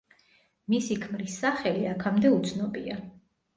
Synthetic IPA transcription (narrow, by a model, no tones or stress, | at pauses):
misikʰmɾisːaχɛliakʰamd̪ɛut̪sʰnɔbia